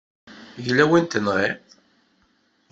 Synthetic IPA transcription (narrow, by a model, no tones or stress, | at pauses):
ʝlæwint̪ənʁe